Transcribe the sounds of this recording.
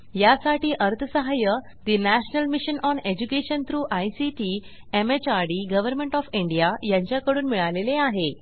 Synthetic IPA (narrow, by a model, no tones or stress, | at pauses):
jasaʈiːʔəɾt̪ʰəsəɦajə | d̪inæɕnəlmiɕənɔned͡ʑukeɕənt̪ɾuːʔajsiʈi | emet͡ɕaɾɽiɡəʋəɾmẽɳʈɔfiɳɖijajãɲt͡ɕjakəɽuːnmiɭaleleaɦe